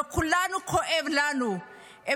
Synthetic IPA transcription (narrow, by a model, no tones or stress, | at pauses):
kʰulanukʰɔʔeβlanu | e